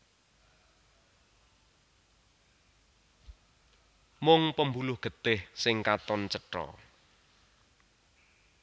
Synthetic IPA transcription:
mʊŋpəmbulʊhɡ̥ə̤t̪ɪhsɪŋkat̪ɔnt͡ʃəʈɾɔ̰

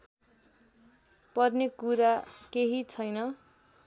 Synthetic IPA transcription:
pʌrnekuɾakeɦit͡sʰʌjnʌ

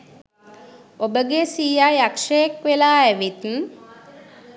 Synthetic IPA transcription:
obəɡesiːjajakʂəjekʋelaːæʋit̪n̩

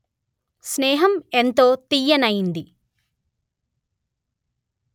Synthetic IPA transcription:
snɛːɦɐment̪o̞ːt̪ijɐnɐjind̪i

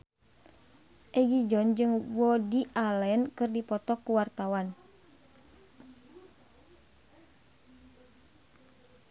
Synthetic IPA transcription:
ʔɛɡid͡ʒɔnd͡ʒɨŋwɔdiʔalɛnkɨrdipɔt̪ɔkuwart̪awan

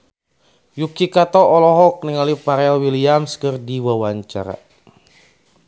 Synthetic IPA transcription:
jukikat̪ɔɔlɔɦɔk̚niŋalipaɾeawiliamskərdiwawaɲt͡ʃa̰ɾa̰

